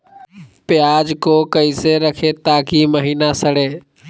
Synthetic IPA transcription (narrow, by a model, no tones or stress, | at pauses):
pɪjaːd͡ʒkoːkəiseːɾəkʰeːt̪aːkiːməɦiːnaːsəɽeː